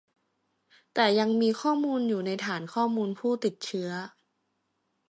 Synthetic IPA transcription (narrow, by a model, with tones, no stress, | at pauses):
t̪ɛː˨˩ja˧ŋmiː˧kʰɔː˥˩muː˧njuː˨˩na˧jt̪ʰaː˩˦nkʰɔː˥˩muː˧npʰuː˥˩t̪i˨˩t̪̚t͡ɕʰɯ˦˥ɐ